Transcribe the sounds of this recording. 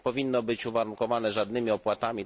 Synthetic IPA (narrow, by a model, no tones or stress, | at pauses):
pɔvʲinːɔbɘt͡ɕuvaɾuŋkɔvanɛʐad̪nɘmʲiɔpwat̪amʲi